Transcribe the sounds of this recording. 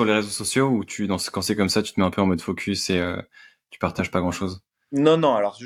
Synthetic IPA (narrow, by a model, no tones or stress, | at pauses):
syʁleʁezosɔsjout̪ʰyd̪ɑ̃sə̥kɑ̃sekɔmsat̪yt̪əmɛɛ̃pøɑ̃mɔd̪fokʲʰyseø̰ | t̪y̥paʁt̪aʒpaɡʁɑ̃ʃoz | nɔ̃nɔ̃alɔʁ